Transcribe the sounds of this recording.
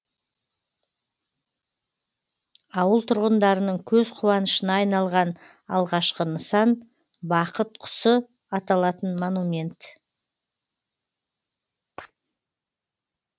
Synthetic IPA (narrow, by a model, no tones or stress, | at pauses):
ɑwəlˠt̪ʰʊɾʁənd̪ɑɾənəɴkʲʰɵzqʰʊwɑnəʃənɑːjnɑlˠʁɑn | ɑ̰lˠʁɑʃqənəsɑn | bɑqət̪̚qʰʊ̥sə | ɑt̪ɑlˠɑt̪ənmonumʲe̞nt̪